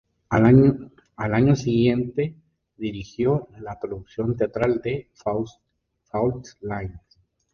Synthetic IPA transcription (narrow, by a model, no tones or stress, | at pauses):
alaɲosiɣje̞nt̪e | ðiɾixjo̞lapɾoðuksjo̞nt̪eat̪ɾald̪e̞ | fawlt̪lajnes